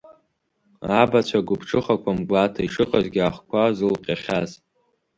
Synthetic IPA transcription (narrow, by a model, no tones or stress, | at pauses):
abat͡ɕʷʰaɡʷʊpʰʈ͡ʂʰɨχakʷʰamɡʷatʰaiʂɨqʼazɡʲaχkʷʰazɨlqʲʼaχʲaz